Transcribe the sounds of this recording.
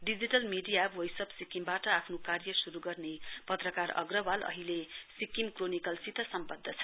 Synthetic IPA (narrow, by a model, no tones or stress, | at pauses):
ɖid͡ziʈʌlmiɖijabwʌjsʌbsikimbaʈʌapʰnokarjʌsuɾuɡʌrnepʌt̪rʌkarʌ̰ɡrʌbalʔʌ̰ɦilesikimkronikʌlsit̪ʌsʌmpʌd̪ʱːʌt͡sʰʌ̥